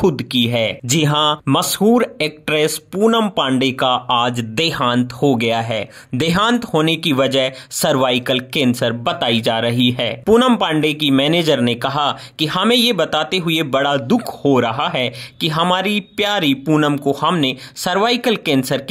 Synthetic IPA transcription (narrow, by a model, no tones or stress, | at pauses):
xʊd̪kiɦɛːd͡ʒɪɦãmɐsɦuːɾeːk̚ʈɾeːspuːnəmpãːɳɖekaaːd͡ʒd̪eːɦãːnt̪hoɡɐjaɦɛː | d̪eːɦãːnt̪ɦoːnekiʋɐd͡ʒəɦsɐɾʋaːɪkəlkɛ̃ːnsəɾbɐt̪aːid͡ʒaːɾɐɦiɦɛːpuːnəmpãːɳɖekimɛːneːd͡ʒəɾnekɐɦa | kiɦɐmẽjebɐt̪aːt̪eɦʊebɐɽad̪ʊkʰhoɾɐɦaɦɛkiɦɐmaːɾipjaːɾipuːnəmkohɐmnesɐɾʋaːɪkəlkɛ̃ːnsəɾk